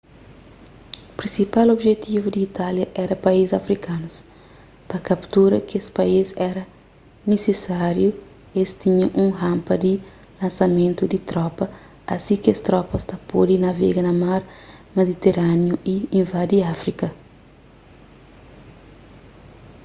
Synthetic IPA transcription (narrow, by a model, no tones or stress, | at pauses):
pɾĩsipalobʒet̪ʰivud̪iːt̪aljɐʔɛɾɐpɐizzɐfɾikanus | pɐkɐpt̪uɾɐkiespɐizɛɾɐ | nesesaɾju | est̪iɲɐ̃ʔũɦãmpɐd̪i | lɐ̃nsɐmẽnt̪ud̪it̪ɾɔpɐ | ɐ̰sĩkɪɐst̪ɾɔpɐst̪ɐpod̪inɐvɛ̰ɡɐnɐmaɾmed̪it̪eɾanjuiĩvad̪iafɾikɐ